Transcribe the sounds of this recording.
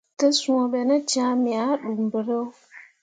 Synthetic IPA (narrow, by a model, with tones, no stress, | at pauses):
tə˦su˦o˨ɓe˨na˦t͡ʃã˦mi˨a˦ɗu˨m˨bɨ˨ɾə˦